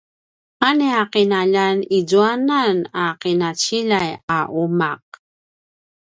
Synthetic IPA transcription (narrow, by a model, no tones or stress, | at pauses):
aneaqinaʎaniɟuananaqinat͡ɕiʎajaʔumaq̚